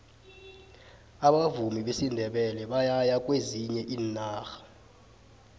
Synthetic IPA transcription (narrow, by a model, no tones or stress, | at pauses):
aɓavumiɓesindʱɛɓɛlɛɓajajakʼweziɲɛʔiːnːaːxḁ